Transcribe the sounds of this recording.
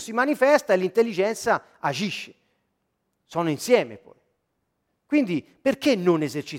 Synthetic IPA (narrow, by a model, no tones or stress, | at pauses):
simanifɛst̪aelːint̪elːid͡ʒɛnt̪sa | ad͡ʒiʃːe̥ | sɔːnoinsjɛːmḛpɔ̰j | kwind̪i | perkenːonezert͡ʃi